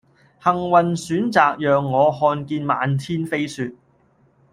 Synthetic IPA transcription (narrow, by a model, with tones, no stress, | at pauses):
hɐ˨˩ŋwɐ˨˩nsyː˨˥nt͡saː˨k̚jœː˨ŋːɔː˨˧hɔː˧nkiː˧nma̰ː˨˧nt̪ʰiː˥nfe˥jsyː˧t̚